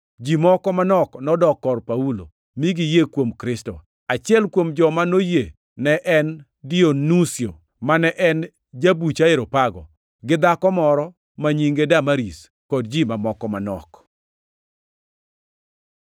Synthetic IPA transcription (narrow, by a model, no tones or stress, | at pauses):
d͡ʒimɔkɔmanɔknɔdɔkːɔrpaulo̰ | miɡijekwomkɾɪsto̰ | at͡ʃɪɛlkwomd͡ʒɔmanoje | nɛʔɛn | dionusjo | manɛʔɛn | d͡ʒabut͡ʃaeɾopaɡɔ̰ | ɡɪd̪akɔmɔɾɔ | maɲiŋɡedamaɾis | kɔd̚d͡ʒimamɔkɔmanɔ̰k